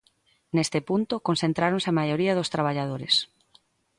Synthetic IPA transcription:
nest̪ɪpunt̪ʊkonsθẽnt̪ɾaɾõnsɪamajoɾiɐðʊst̪ɾaβ̞aʎaðoɾes

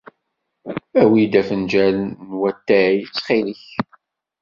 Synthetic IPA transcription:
æwid̪æfənd͡ʒælːwæt̪ːæijt͡sːχiliç

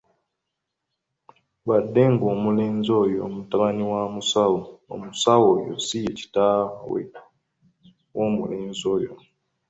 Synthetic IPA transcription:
wadːe̞ŋɡoːmuleːnzo̞ːjo̰mutaβaniwamusawo̰ːmusawojo̰sijeci̥tawḛ | woːmṵleːnzoːjo̰

